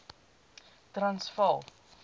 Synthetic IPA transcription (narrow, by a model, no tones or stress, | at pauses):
trɐnsfɐlˠ